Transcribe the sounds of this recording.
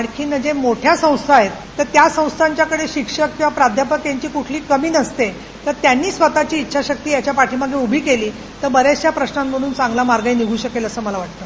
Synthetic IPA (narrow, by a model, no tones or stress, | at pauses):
aɽkʰiːnəd͡ʑemoʈʰjasə̃w̃st̪ʰaɦet̪ːəɾt̪jasə̃w̃st̪ʰaɲt͡ɕjakəɽeɕikʂəkːĩw̃ʋapɾad̪ʱjapək̚t̪jaɲt͡ɕiːkuʈʰliːkəmiːnəst̪e | t̪əɾt̪janːiːsʋət̪at͡ɕiːtːɕʰaɕək̚t̪iːjat͡ɕjapaʈʰiːməɡeubʱiːkeliː | t̪əɾbəɾesjapɾəɕnamːəɽ̃uːnt͡sãŋɡlamaɾɡainiɡʱuːɕəkeləsəːməlaʋaʈt̪ə